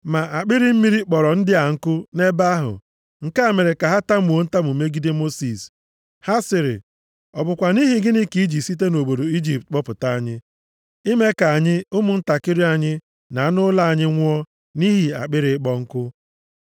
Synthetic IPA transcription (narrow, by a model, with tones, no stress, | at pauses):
ma˨ʔa˨k͡pɪ˦ɾɪ˦m̩˦mi˦ɾi˦k͡pɔ˨ɾɔ˨n̩˦dɪ˦a˨ŋ̩˦kʊ˦ne˦ba˦ɦʊ̰˨ | ŋ̩˨ka˦˨me˨ɾe˨ka˨ɦa˦ta˦m̩˨o˦n̩˦ta˦mu˨me˦ɡi˦de˦mo˦si˨s | ha˦sɪ˨ɾɪ̰˨ | ɔ˨bʊ˨kʷa˨ni˦ɦi˨ɡɪ˦nɪ˦ki˦i˦d͡ʒi˨si˦t̬e˦no˨bo˨do˨i˦d͡ʒi˦˨p̚t̚k͡pɔ˦pʊ˨ta˦a˦˨ɲɪ˦ | i˦me˦ka˨a˨ɲɪ˦ʊ˦mʊ˨n̩˦ta˨kɪ˦ɾɪ˦a˨ɲɪ˦ | na˨a˦nʊ˦la˦a˨ɲɪ˦ŋʷʊ˦ɔ˦ | ni˦ɦi˨a̰˨k͡pɪ˦ɾɪ˦k͡pɔ˦ŋ̩˦kʊ˦